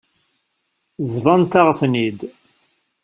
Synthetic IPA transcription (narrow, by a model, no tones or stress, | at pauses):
vðˤɑnt̪aʁθnid̪